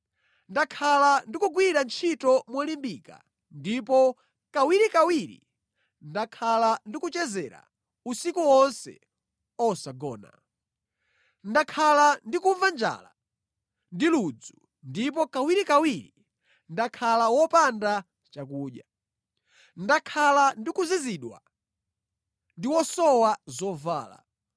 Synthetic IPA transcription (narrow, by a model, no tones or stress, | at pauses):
ndakʰalandikuɡwiɾant͡ʃʰitɔmwɔlimbika̰ | ndipɔ | kawiɾikawiɾḭ | ndakʰalandikut͡ʃɛzɛɾa̰ | usikuwɔnsɛ̰ | ɔsaɡɔːna̰ | ndakʰalandikuɱvand͡ʒa̰la | ndilud͡zu | ndip̬ɔkawiɾikawiɾi | ndakʰalawɔpanda | t͡ʃakuːɗja | ndakʰalandikuziziɗwa̰ | ndiwɔsɔwazɔva̰ːla̰